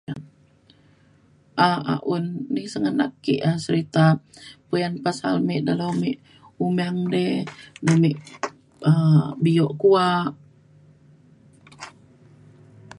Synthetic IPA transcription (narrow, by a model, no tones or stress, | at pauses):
ʔaa̰ʔunːihsəŋəna̰kːiʔasəɾit̪apujanpasa̰lmɛʔdalomeʔ | umaŋdɛdəmiʔ | əbijoʔkuaʔ